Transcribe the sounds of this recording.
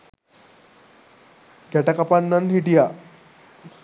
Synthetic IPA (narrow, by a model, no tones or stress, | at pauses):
kɛʈakapanːanɦiʈija